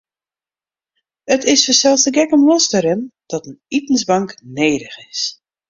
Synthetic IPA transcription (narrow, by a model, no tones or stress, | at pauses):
ətɪsfəsɛlˠstəɡɛkəmlɔsdəɾɪnd̥ɔtənitn̩sbɑŋkneːɾəxɪs